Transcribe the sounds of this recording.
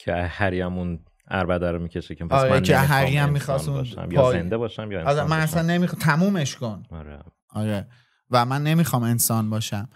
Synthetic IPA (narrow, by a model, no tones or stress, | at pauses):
cʰeæhæɾiæmun | æ̰ɾbæd̪æɾomiːcʰeʃeepʰɒɾeneɦæɾiæmːixɒːsũnnʃæ̰mjpɒzend̪ebɒːʃæmjɒzmænæsænːemixt̪ʰæmuːme̞ʃko̞naɾe | ʔɒɾe | væmænːe̞miːxɒːme̞nsɒːnbɒːʃæm